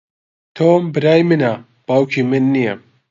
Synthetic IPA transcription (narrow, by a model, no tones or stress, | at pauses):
t̪ʰoːmbɨɾaːjmɨna | b̥aːwkʰimɨnːijɐ